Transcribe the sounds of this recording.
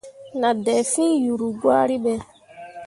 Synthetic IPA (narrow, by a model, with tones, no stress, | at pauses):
na˨dɛ˨fi˦ju˨ɾu˨ɡwa˦ɾi˦ɓɛ˨